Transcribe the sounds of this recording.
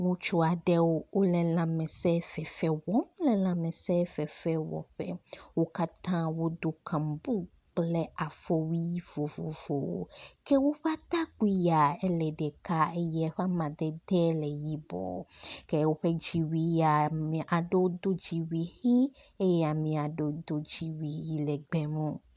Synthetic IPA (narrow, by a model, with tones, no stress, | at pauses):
ŋũ˦t͡ʃo˦a˨ɖɛ˦wo˦wo˦lɛ˨lã˨mɛ̃˨sɛ˦fɛ˨fɛ˦wɔ˦m˦lɛ˨lã˨mɛ˨sɛ˦fɛ˨fɛ˦wɔ̰˨ɸɛ˦wo˦ka˦t̪ã˦wo˦d̪o˦kʰã˨mbu˦ | k͡plɛ˦a˨fɔ˦wi˦vo˨vo̰˨vo˨wo̰˦kɛ˦wo˦ɸa˦t̪a˦ku˦i˦ja˨ɛ˦lɛ˨ɖɛ˨ka˦e˦jɛ˦ɸa˦mã˨d̪ɛ˦d̪ɛ˦lɛ˨ji˦bɔ̰˨ke˦wo˦ɸe˦d͡ʑi˨wi˦ja˨mĩ˨ʔa˨ɖe˦o˦d̪o˦d͡ʑi˨wi˨hi˦e˦jɛ˦a˨mĩ˨a˨ɖe˦d̪o˦d͡ʑi˨wi˨ji˦lɛ˨ɡ͡bɛ˦mõ˦˨